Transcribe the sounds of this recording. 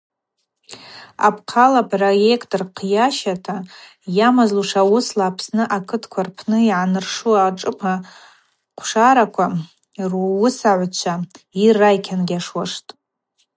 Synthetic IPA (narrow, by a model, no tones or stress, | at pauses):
a̰pʰqʰalapʰroje̞kʰtʼrqʰjaʃatʰa | jamazluʂawʊslaːpʰsnɨʔakʰɨtʰkʷʰarpʰnɨiʕanɨrʂuaʈ͡ʂʼɨpʰa | qʷʰʂaɾakʷʰa | ruwʊsaʕʷt͡ʃʷʰairːajkʲʰanɡʲaʂwaʂtʼ